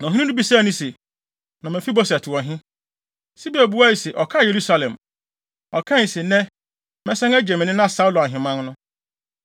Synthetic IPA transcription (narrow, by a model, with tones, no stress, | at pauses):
nã˨ɦĩ˦ĩ˦nũ˦bi˨saː˦˨nĩ˦se˨ | nã˨mɛ̃˨fi˦bɔ˦sɛ˨tʰɪ˨ɔ˨ɦɪ̃˦ | si˦bi˦æ˨bu˦a˦i˨se˨ʔɔ˨kʰa˦˨je˨ɾu˦sa˨lɛ̃˨m | ɔ˨kʰã˦˨sɛ˨nɛ̃˦ | mɛ̃˦sɛ̃˦ŋæ˦d͡ʑɛ˨mɪ̃˨nɪ̃˦nã˦˨sa˦wʊ˦la˨ɦɪ̃˨mã˦nnʊ̃˦